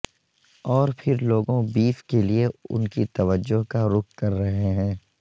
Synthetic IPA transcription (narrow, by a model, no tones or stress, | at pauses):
ɔːɾpʰɪɾloːɡõbiːfkelieʊ̰nkit̪ɐʋəd͡ʒːoɦkaɾʊkkɐɾːɐɦeɦɛ̃ː